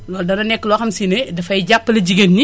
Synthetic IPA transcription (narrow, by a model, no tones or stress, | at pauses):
lɔːldɐnɐnɛkːlɔxɐmsinedɐfɐjɟapːəlɐɟiɡɐnːi